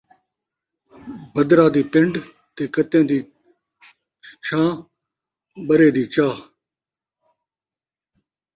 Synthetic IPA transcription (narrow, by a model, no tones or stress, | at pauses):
bəd̪ɾãːd̪iːpɪɳɖ | t̪eːkət̪ẽːd̪iː | t͡ʃʰãː | ɓəɾẽːd̪iːt͡ʃaː